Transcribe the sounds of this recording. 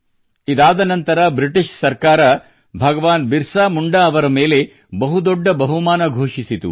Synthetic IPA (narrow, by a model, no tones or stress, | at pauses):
id̪aːd̪ɐnɐnt̪ɐɾɐbɾiʈiʂsɐɾkaːɾɐ | bʱɐɡɐʋaːnbiɾsaːmuɳɖɐːʋɐɾɐmeːle̞ | bɐɦud̪ɔɖːɐbɐɦumaːnɐɡʱoːʂisit̪ṵ